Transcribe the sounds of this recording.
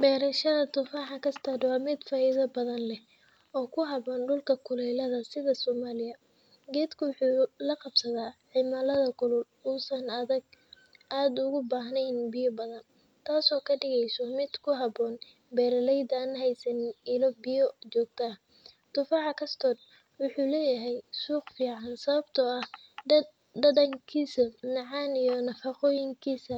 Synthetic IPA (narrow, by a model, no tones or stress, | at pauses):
bɛːɾɐʃɐðɐt̪ʊfaːʕɑkʰɐst̪ʰɔːd̪wɑːmɪd̪faːɪðɐbɐðɐnlɛ | ɔːkʰʊɦɐβɔːnɖʊlkʰɐkʰʊlɛjlɐðɐsɪðɐsɔːmaːlɪjɐ | ɡɛːd̪kʰʊwʊħuːlɐqɑb̥sɐðaːʕɪmalɐðɐkʰʊlʊl | uːsɐnɐðɐɡ̚ | ʔaːd̪ʊɣʊbaːɦnɛjnbɪjɔbɐðɐn | t̪ʰaːsɔːkʰɐɖɪɣɛjsɔmɪd̪̥kʰʊɦɑbɔːn | bɛːɾɐlɛjd̪aːnɦɛjsɐnɪnɪlɔbɪjɔt͡ʃɔːɡ̚t̪ʰaːh | t̪ʊfɑʕɑkʰɐst̪ʰɔːd̪ | wʊħuːlɛːjɐɦɛjsuːqfiːʕɑnsɐβɐbt̪ʰɐɐh | ɖɐdɐŋkʰiːsɐnɑʕɑːnijɔnɐfɑqɔːjɪŋkʰiːsɐ